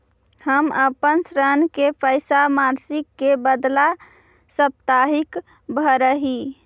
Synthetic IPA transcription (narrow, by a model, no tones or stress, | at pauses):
həməpənsɾənkepəɪsamaɾsikːebəd̪la | səp̚t̪aɦik | bʱəɾəɦi